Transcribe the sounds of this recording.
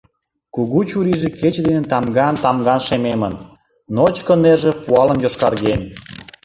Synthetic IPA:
kuɣut͡ɕuɾiʒĕkʰet͡ɕd̪enet̪ɑmɡɑnt̪ɑmɡɑnʃememənː | ot͡ɕkəneʒĕpuɑlə̆njoʃkɑrɣem

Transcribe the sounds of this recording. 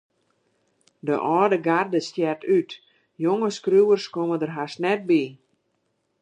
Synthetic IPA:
də̰ʔɔːdəɡardəstjɛrtʰyt | joŋəskruwərskomədərɦasnɛt̚bi

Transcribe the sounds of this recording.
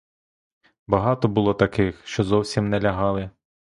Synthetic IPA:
bɐɦɑt̪ɔbʊlˠɔt̪ɐkɪxʃt͡ʃɔzɔwsʲimnɛlʲɐɦɑlˠɪ

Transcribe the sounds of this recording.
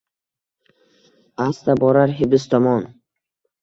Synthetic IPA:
ast̪abɔɾaɾɦibɪs̬t̪ɔmɔn

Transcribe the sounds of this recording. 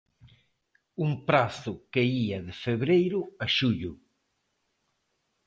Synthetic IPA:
uŋpɾaθʊkeiɐðɪfeβɾejɾʊɐʃuʎʊ

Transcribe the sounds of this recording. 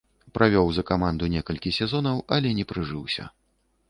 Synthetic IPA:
pɾʔavʲɔwzɐkamand̪unʲɛkɐlʲkʲisʲɛzɔnɐwɐlʲɛnʲɛpɾɨʐɨwsʲɐ̰

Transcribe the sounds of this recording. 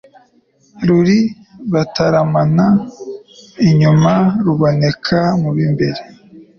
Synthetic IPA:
ɾuɾi | βataɾamana | iɲumaɾuβo̞ne̞kʰamuβimbe̞ɾe

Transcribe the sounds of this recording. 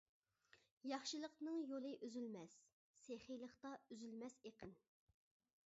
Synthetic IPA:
jɑχʃɨlˠəqnɨŋjolˠɨʔyzylmɛsː | eχijlˠəχt̪ɑyzylmɛseqən

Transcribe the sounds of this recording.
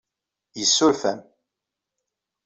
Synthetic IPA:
jəsːʊɾfæm

